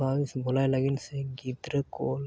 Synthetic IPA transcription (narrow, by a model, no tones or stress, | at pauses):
aːʋisbolaeləɡinseɡid̪ɾəkol